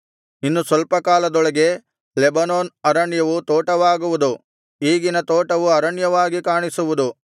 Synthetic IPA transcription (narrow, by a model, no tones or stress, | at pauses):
inːusʋɐlpɐkaːlɐd̪ɔɭɐɡe̞ | lebɐnoːnɐɾɐɳjɐʋut̪oːʈɐʋaːɡuʋud̪u | iːɡinɐt̪oːʈɐʋuɐɾɐɳjɐʋaːɡikaːɳisuʋud̪u